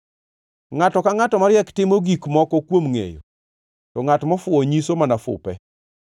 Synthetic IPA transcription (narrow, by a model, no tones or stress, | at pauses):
ŋatɔkaŋatɔmaɾjɛktɪmoɡikmɔkɔkwomŋḛjo̰ | tɔŋatmɔfʊɔɲisomanafʊ̰pɛ̰